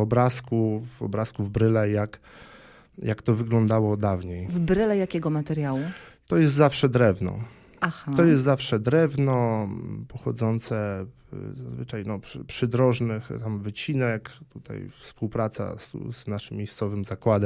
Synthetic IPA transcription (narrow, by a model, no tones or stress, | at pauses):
ɔbɾaskuvɔ̰bɾaskuvbɾɘlɛjak | jakt̪ɔvɘɡlɔnd̪awɔd̪avɲejvbɾɘlɛjakʲɛɡɔmat̪ɛɾjawut̪ɔjɛst̪zafʂɛd̪ɾɛvnɔ̰ | axat̪ɔjɛst̪zafʂɛd̪ɾɛvnɔpɔxɔ̰d̪zɔnt̪sɛ | zazvɘt͡ʂajnɔppʂɘd̪ɾɔʐnɘxt̪amvɘt͡ɕinɛkt̪ut̪ʰa̰jfspuwpɾat̪sa̰st̪ṵznaʂɘmːʲejst̪sɔvɘmzakwad̪ɛm